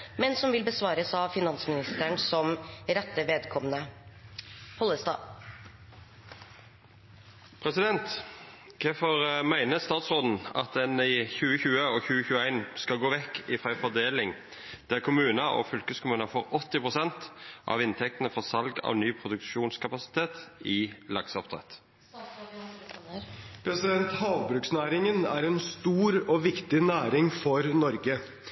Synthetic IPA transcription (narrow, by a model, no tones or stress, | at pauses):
mɛnsɔmʋɪlbəsʋɑːɾəsɑʋfɪnɑnsmɪnɪst̪əɳsɔmɾɛt̪ːəʋeːd̪kʰɔmnə | hɔlːəst̪ɑ̰ː | pʰɾɛsɪd̪ɛnt̪kʰɛfɔʁmæɪnəst̪ɑːt̪sʁoːd̪n̩ɑ̰t̪̚d̪ɛnɪçʉːəçʉːəɔçʉːəçʉːəæɪnskɑɡoːʋɛkːɪfʁæɪfɔd̪eːlɪŋ | d̪̥æɾkʰʊmʉːnɑɔ̰fʏlkəskʊmʉːnɑfɔɾɔt̪ːɪpɾʊsɛnt̪ʔɑ̰ʋɪnt̪ʰɛkt̪ənəfɔsɑlɡɑ̰ʋnyːpʰɾʊd̪ʉkʃuːnskʰɑpɑsɪ̥t̪ʰeːt̪ɪlɑɡsɔpt̪ʰɾɛ̰t̪ | pʰɾɛsɪd̪ɛnt̪hɑːʋbɾʉksnæːɾɪŋənæ̰ɾɛnst̪uːɾɔʋɪkt̪ɪnæːɾɪŋfɔɾnɔɾɡə